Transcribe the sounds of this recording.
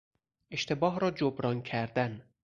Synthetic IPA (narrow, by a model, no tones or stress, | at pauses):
ʔe̞ʃt̪ʰe̞bɒːɦɾɒːd͡ʒobɾɒːncʰæɾd̪æn